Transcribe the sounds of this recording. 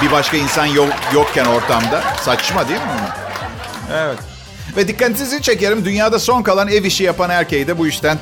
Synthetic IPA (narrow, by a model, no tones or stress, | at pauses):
bibaʃkainsanjojok̚cːæno̞ɾt̪ʰamd̪asat͡ʃmad̪emɪunʊ | ɛvɛt̪̚ | vɛd̪ikːant̪ʰinizit͡ʃʰe̞ce̞ɾimd̪ynjaːd̪aso̞nkalˠaneviʃijapanæɾce̞jd̪ɛbujyʃt̪ʰæn